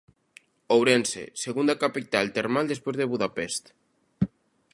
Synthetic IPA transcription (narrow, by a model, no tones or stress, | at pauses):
owɾensḛseɣund̪akapit̪alt̪eɾmald̪espwezðeβuðapest̪